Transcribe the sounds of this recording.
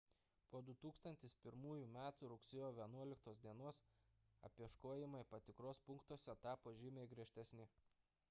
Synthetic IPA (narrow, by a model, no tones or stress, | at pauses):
poːd̪ʊt̪uːkst̪ɐnʲt̪ʲɪspʲɪɾmuːjuːmʲæːt̪uːɾʊksʲɪjoːʋʲiɛnuɔlʲɪkt̪oːsd̪ʲiɛnoːsɐ̰pʲiɛʃkoɔjɪmɐɪpɐt̪ʲɪkɾoːspʊŋkt̪uɔsʲɛt̪ɑːpoːʒʲɪmʲeːɡɾʲiɛʃʲt̪ʲɛsʲnʲɪ